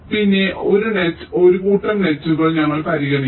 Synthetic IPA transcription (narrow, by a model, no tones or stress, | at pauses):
pinːe̞ʔo̞ɾunet͡ɕːo̞ɾukuːʈːɐmɳet͡ɕːuɣɐɭɲɐŋːɐɭpɐɾiɣɐɽi